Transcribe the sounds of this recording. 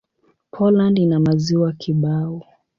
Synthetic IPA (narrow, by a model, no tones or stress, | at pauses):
pʰɔlandinamaziwakʰiɓaɔ